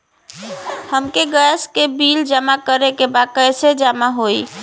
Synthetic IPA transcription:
həmkeɡəjskebild͡ʒəmakəɾekebad̪̚kəjsed͡ʒamaɦoi

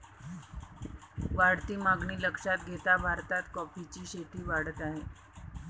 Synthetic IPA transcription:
ʋaɽt̪iːmaɡɳiːləkʂat̪ɡʱet̪abʱaɾt̪at̪kɔfit͡ɕiːɕet̪iːʋaɽət̪aɦe

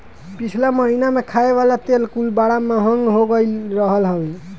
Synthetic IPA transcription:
pit͡ʃʰlaməɦinamekʰaeβalat̪elkulbaɽameɦʌŋɡɦoɡəjɾəɦəlɦəwn

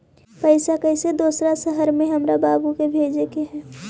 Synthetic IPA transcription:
pəɪsakəɪsed̪oːsɾasəɦəɾmẽɦəmɾabaːbukebʱeːd͡ʒekeɦɛː

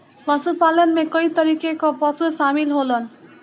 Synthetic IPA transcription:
lʌsupalʌnmekʌjt̪ʌɾikekopʌsʰusamilɦolʌn

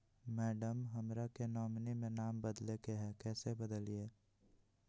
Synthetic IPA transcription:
mɛːɖəmɦɐmɾakenɔːmnimẽnaːmbəd̪lekeɦɛkɛːsebəd̪əlieː

